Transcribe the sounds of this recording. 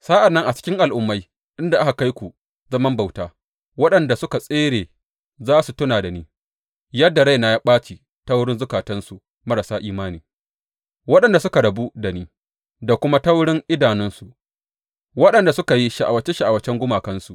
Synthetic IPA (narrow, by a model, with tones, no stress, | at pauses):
saː˦ʔa˨nːɐ˦ŋʔa˨t͡ʃɪ̥˦kʲɪ˦ŋʔa˨lʔʊ˦mːa˦j | ɗɪ˦nda˨ʔa˦ka˨ka˦jkʷu˨ | zɐ˦mɐ˦mba˨wtaː˦ | wɐ˦ɗɐ˨nda˨sʊ˦ka˨sʼeː˦ɽeː˨ | zaː˦su˨tʊ˦naː˨da˨niː˦ | jɐ˦dːa˨ɽa˦jna˨ja˦ɓaː˦t͡ʃi˨ | tɐ˦wɽɪ˦nzʊ˦kaː˨tɐ˦nsu˨ | mɐ˦ɾa˨saː˦ʔiː˦maː˦niː˨ | wɐ˦ɗɐ˨nda˨sʊ˦ka˨ɽɐ˨bu˦da˨niː˦ | da˨kʷʊ˦ma˦tɐ˦wɽɪ˦ŋʔɪ˦daː˨nɪ˦nsu˨ | wɐ˦ɗɐ˨nda˨sʊ˦ka˨ji˦ʃi˨ʔa̰˨wɐ˦t͡ʃe˦ʃi˦ʔa˨wɐ˦t͡ʃɛ˦ŋɡʷʊ˦maː˨kɐ˦nsu˨ʔ